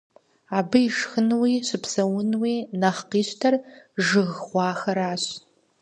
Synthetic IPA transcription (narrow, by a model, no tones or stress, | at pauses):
aːbɨiʂxɨnwiːɕɪpʰsɐwʊnwiːnɐχqiːɕtʰɐrʒɨɣʁʷɑːxɐɾaːɕ